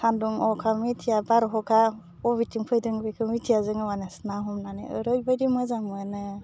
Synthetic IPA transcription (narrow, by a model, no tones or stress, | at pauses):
kʰanduŋɔkʰamitʰijabaɾɦɔkʰa | ɔβitʰiŋpʰɯjdɯŋbekʰɯmitʰijazɯŋɯwanasnaɦɔmnanḛɯɾɯjbajdimɯzamɯnɯ